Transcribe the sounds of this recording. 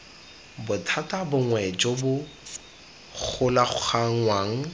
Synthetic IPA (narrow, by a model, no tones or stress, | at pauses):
bʊtʰatʼabʊŋwɛd͡ʒʼobʊ | k͡xʰʊlaχʊχaŋ̩waːŋ̩